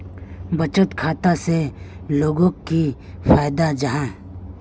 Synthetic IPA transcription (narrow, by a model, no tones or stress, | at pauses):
bɐt͡ʃət̪kʰaːt̪aseloːɡõki | faːjd̪ad͡ʒɐɦãː